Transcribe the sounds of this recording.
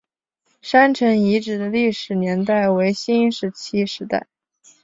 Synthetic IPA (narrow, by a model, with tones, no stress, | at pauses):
ʂa˥nʈ͡ʂʰɤ˧˥ŋi˧˥ʈ͡ʂɻ̩˨˩d̪ə˦li˥˩ʂɻ̩˨˩njɛ˧˥nt̪a˥˩ɪwe˧˥ɪɕi˥ʂɻ̩˧˥t͡ɕʰi˥ʂɻ̩˧˥t̪a̰˥˩ɪ